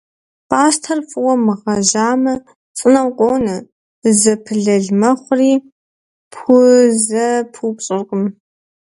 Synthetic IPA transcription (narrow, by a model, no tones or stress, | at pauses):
paːstʰɐrfʼwɐmɨʁɐʒaːmɐ | t͡sʼɨnɐwqʷʼoːnɐ | zɐpʰɨɮɐɮmɐχʷriː | pʰʊzɐpʰupɕʼɪrqʼʊm